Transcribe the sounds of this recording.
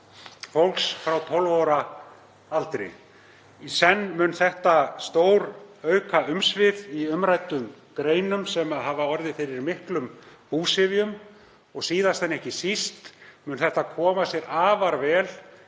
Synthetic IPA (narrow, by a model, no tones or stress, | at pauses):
fowlksfɾawt̪ʰɔlvawɾa | alt̪ɾɪ̰ | isɛnːmʏnθɛht̪ast̪oːwɾœːɥkʰaʏmsvɪðiʏmɾajt̪ʏm | kɾeːjnʏmsɛmaðɦavaɔɾðɪfɪɾɪɾmɪhklʏmpuːsɪvjʏm | ɔɣsiːðast̪ɛnːɛhcɪsist̪mʏnθɛht̪akʰɔːmasjɛɾaːvaɾvɛːl